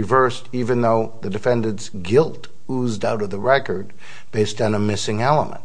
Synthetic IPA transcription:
ɨvɜ˞stivɨ̃nðoʊðɨdɨfɛ̃ndɨ̃ntsɡɪlˠt | uzdaʊɾʌvðəɹɛkə˞d̚ | b̥eɪstn̩əmɪsɪ̃ŋɛlˠə̰mə̰̃nt

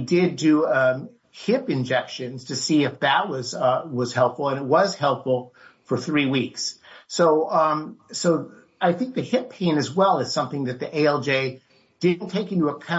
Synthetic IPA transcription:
dɪdɨ | hɪpɨ̃nd͡ʒɛkʃɨ̃nz̥tʰɨsiɨfðɨʔ̚wʌzwʌz̥hɛlˠpfl̩ˠə̃nɨt̚wʌz̥hɛlˠpfl̩ˠfə˞θɹiwikssoʊ | soʊ | aɪθɪ̃ŋk̚ðɨhɪpʰẽɪ̃nɨzwɛlˠɨz̥sʌ̃mθɪ̃ŋðɨt̪̚ðiʔeɪɛlˠd͡ʒeɪ | d̥ɪn̩tʰeɪkɪ̃ntəəkʰã

